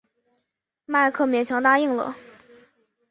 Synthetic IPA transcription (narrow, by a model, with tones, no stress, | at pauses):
ma˥˧ɪkʰɤ˥˩mjɛ˨˩nʈ͡ʂʰɑ˧˥ŋt̪a˥i˥˩ŋlə̰˩